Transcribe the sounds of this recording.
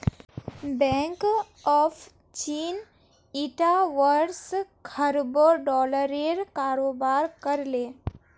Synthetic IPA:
bɛ̃ŋk | ɔːfʰ | t͡ʃiːn | iʈaʋəɾɾskʰəɾboɖɔːləɾeɾkaːɾoːbaːɾkəɾleː

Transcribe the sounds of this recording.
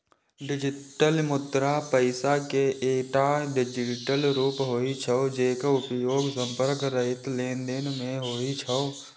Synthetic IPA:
ɖɪd͡ʒɪʈəlmʊt̪ɾapəɪsakeʔeːʈaɖɪd͡ʒɪʈəlɾuːpɦoːit͡ʃʰəod͡ʒeːkʊpjoːɡsə̃mpəɾkɾəɦɪt̪leːnd̪enmẽɦoːit͡ʃʰəo

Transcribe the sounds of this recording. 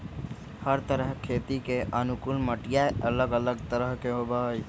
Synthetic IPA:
həɾt̪əɾəɦkʰeːt̪ikeʔɐnʊkʊlməʈijaɐləɡələɡt̪əɾəɦkeɦobʱaːj

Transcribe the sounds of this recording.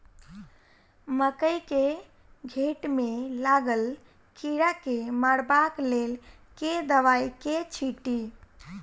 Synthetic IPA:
məkəjke | ɡʱeʈmelaɡəl | kiɾakeməɽbaklel | ked̪əʋajket͡ʃʰiʈi

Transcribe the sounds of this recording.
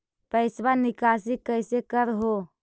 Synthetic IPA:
pəɪsbanɪkasikəɪsekəɾɦo

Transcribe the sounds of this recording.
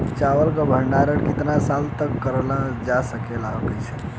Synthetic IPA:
t͡ʃaʋəlkəbʱəɳɖaɾəɽkɪt̪nasalt̪əkːəɾlad͡ʒasəkelaɦəɡət͡ʃʰe

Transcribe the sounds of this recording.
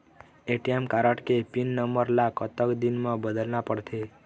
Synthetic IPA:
eʈiemkaɾəʈkepinːəmbəɾlakət̪əkd̪inmãbəd̪əlnapəɽt̪ʰe

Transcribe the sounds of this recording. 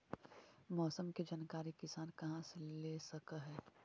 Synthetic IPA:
mɔːsəmked͡ʒaːnkaːɾikɪsaːnkɐɦãseleːsɐkaɦɛː

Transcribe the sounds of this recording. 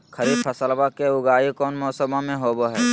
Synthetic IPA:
kʰəɾibpʰəsəlbakeʊɡaːikɔːnmɔːsəbõmẽɦoːboɦɛː

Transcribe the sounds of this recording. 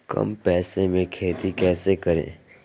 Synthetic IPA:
kə̰mpɛːsemẽkʰeːt̪ikɛːsekəɾḛ̃ː

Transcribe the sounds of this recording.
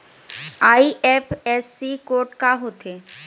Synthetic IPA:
aiʔepʰesːikoɾʈkaɦot̪ʰe

